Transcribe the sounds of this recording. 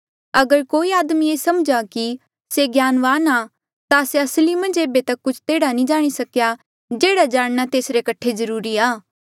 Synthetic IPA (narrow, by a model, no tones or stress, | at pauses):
ɐɡəɾkoːiaːd̪mieːsɐmd͡ʒaki | seɡjaːnʋaːna | t̪aseɐslimɐ̃nd͡ʒeːbet̪ɐkːʊt͡ʃʰt̪eːɽanĩd͡ʒaːɽ̃isɐkja | d͡ʒeːɽad͡ʒaːɽ̃nat̪eːsɾekɐʈʰezɐɾuːɾiaː